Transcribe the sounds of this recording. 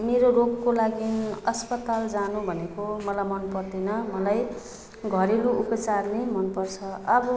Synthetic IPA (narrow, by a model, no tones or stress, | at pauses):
meɾorokkːolaɡiʌspʌt̪ald͡zanubʱʌnekomʌlamʌnpʌrd̪enʌmʌlaj | ɡʱʌɾeluupʌt͡sarnemʌnpʌrt͡sʰʌʌbʌ